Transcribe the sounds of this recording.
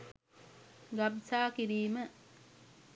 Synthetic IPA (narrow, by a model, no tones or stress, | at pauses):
ɡabsaːkiɾiːmə